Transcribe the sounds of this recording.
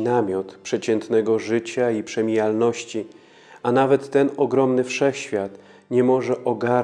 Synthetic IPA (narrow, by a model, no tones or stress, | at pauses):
namʲjɔt̪pʂɛt͡ɕɛnt̪nɛɡɔʐɘt͡ɕaipʂɛmʲijalnɔɕt͡ɕi | anavɛt̪ːɛnɔɡɾɔmnɘfʂɛxɕfʲjat̪ | ɲɛmɔʐɛʔɔɡa